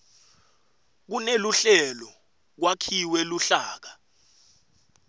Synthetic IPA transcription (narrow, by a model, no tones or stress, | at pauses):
k̬uneluɬɛlɔ | k̬wakʰiwɛluɬaːk̬a